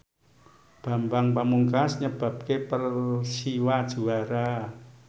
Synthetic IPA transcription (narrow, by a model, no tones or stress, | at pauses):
b̥a̤mbaŋpamuŋkasɲəb̥a̤p̚kepərsiwad̥ʒ̥ṳaɾa